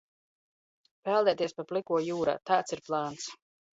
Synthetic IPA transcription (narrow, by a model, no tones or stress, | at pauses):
pɛlˠd̪ɛːt̪iɛspaplˠikuɔjuːɾa̰ːt̪aːt̪siɾplˠaːns